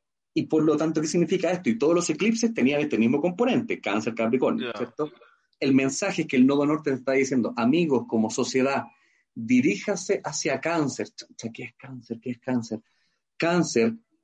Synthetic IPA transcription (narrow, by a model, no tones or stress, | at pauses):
ipoɾlot̪ant̪o̞kesiɣnifikaest̪oit̪oðolose̞klipsest̪e̞nianest̪emizmokompo̞ne̞nt̪ekanseɾkapɾikonsjeɾt̪o | elme̞nsaxeehkelnoðonoɾt̪eseht̪aaðisje̞nd̪oʔamiɣoskomo̞so̞sje̞ða | d̪iɾixaseʔasjakanseɾt͡ʃt͡ʃakeehkanseɾkeehkanseɾ | kanseɾ